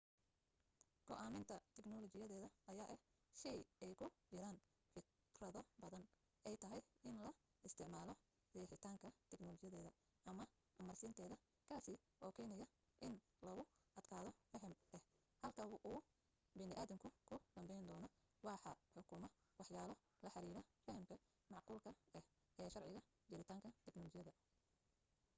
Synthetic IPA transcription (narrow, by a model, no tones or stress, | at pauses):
ɡ̥ɔʔaːmɪnt̪ʰɐt̪ʰɛɡnɔlɔt͡ʃɪjɐðɛːðɐːjaːʔɛh | ʃɛjɛjkʰʊt͡ʃɪɾaːn | fɪk | rɐðɔbɐðɐn | ʔɛjt̪ʰɐɦɛjɪnlɐ | ɪst̪ʰɪʕmaːlɔ | dɛːħɪt̪ʰaːŋkʰɐt̪ʰɛɡnɔlɔt͡ʃɪjɐðɛːðɐ | ʔɐmɐ | ʔɐmɐrsɪnt̪ʰɛːðɐ | kʰaːsɪ | ʔɔːkʰɛːnɛjɐ | ʔɪn | lɐɣʊʔɐd̪̥kʰaːðɔfɐɦɐmɛh | hɐlkʰɐʔuː | bɪnɪʔaːðɪŋkʰʊkʰʊd̪ɐmbɛjnd̪ɔːnɔ | wɑːħɑħʊkʰʊmɐ | wɑħjaːlɔ | lɐħɑɾiːɾɐfɐhɐmkʰɐ | mɑʕquːlkʰɐɛh | ɛːʃɑrʕɪɣɐ | d͡ʒɐɾɪt̪ʰaːŋkʰɐt̪ʰɛɡnɔlɔt͡ʃɪjɐðɐ